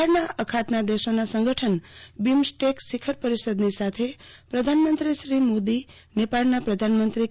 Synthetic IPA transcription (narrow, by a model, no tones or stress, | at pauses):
ɭnaʔəkʰat̪nad̪eʃonasə̃ŋɡʱəʈʰənbimsʈeksikʰəɾpəɾisəd̪nisat̪ʰepɾəd̪ʱanmə̃nt̪ɾiʃɾimod̪i | nepaɭnapɾəd̪ʱanmənt̪ɾi